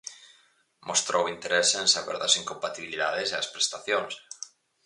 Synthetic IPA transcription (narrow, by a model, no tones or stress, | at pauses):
most̪ɾowint̪eɾesẽnsaβɛ̰ɾðɐsiŋkompat̪iβiliðaðeseɐspɾest̪aθjoŋs